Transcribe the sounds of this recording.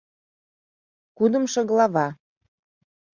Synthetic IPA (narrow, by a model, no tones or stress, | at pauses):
kud̪ə̆mʃɤ̆ɣlɑβɑ